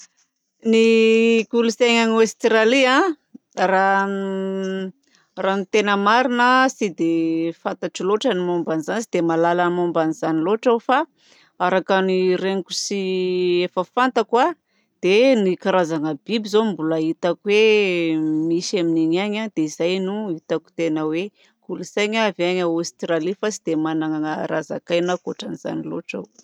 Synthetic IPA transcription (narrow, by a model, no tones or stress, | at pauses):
niɡuluseɲanast̪raliã | ra | ranit̪enəmaɾinəsid̪efant̪aʈ͡ʂiloʈ͡ʂənimombanizanisid̪emalaləmombanizaniloʈ͡ʂafa | aɾakanireŋku̥siefəfant̪akwa | d̪̥enikaɾazaŋəbibizombulait̪akuwe | misamineɲaɲad̪̥eizajnuit̪aku̥t̪enəwe | kulusajɲavaɲaost̪ralifasid̪̥emanaŋaŋəɾa̰za̰kajnakoʈ͡ʂaniza̰nilo̰ʈ͡ʂa̰w